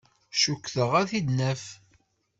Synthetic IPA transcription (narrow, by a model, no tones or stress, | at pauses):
ʃukːθəʁæθid̪næf